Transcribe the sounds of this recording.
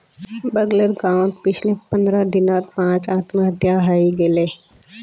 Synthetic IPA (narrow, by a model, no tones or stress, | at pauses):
bəɡləɾɡãːʊ̃ɳʈpɪt͡ʃʰlepə̃nd̪ɾəd̪ɪnaːt̪pãːt͡ʃaːt̪məɦət̪jaɦəiɡele